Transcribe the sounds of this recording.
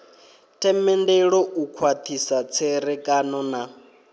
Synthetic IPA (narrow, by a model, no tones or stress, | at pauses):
tʼɛmɛndɛɺɔukʰwat̪ʰisat͡sʰɛɾɛkʼanɔna